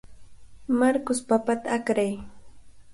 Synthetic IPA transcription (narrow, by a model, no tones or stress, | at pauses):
maɾkʊspapat̪aːkɾaj